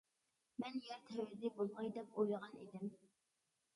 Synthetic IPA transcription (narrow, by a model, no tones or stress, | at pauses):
mɛnjɛɾt̪ʰɛwɾɪd̪ɪbolˠmɑjd̪ɛpojʁɑnḭd̪ɪm